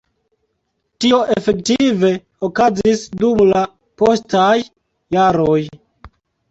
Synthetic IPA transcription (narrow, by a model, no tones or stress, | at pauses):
tio̞ʔefe̞ktive̞ | okazisdumla | po̞stajː | aɾoj